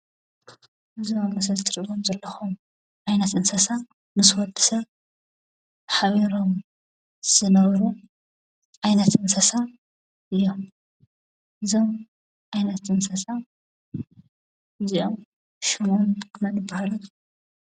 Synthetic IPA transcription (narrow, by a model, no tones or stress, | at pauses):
ʔɨziomɐsɐlt̪ʰɨɾɨβomzɐlːɐxum | ʕajnɐt̪ʔɨnsɐsa | mɨswɔd̪ɨ̥sɐβ | ħaβiɾom | z̥ɨnɐβɾu | ʕajnɐt̪ʔɨnsɐsa | ʔɨjːom | ʔɨzom | ʕajnɐt̪ʔɨnsɐsa | ɨziʔom | ʃumonkʰnɐnɨbːahalu